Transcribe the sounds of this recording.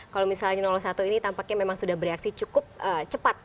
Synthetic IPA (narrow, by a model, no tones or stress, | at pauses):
kalomisalɲanɔlɔhsat̪uinit̪ampak̚ɲamemaŋsudahbəɾeaksit͡ʃukʊp̚ət͡ʃəpat̪̚